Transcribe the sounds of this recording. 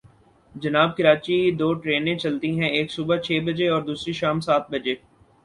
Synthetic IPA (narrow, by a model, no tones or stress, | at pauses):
d͡ʒɐnaːb̚kɪɾaːt͡ʃid̪oːʈɾeːnẽt͡ʃɐlt̪iɦɛ̃eːksuːbət͡ʃʰeːbɐd͡ʒeɔːɾd̪uːsɾiʃaːmsaːt̪̚bɐd͡ʒeː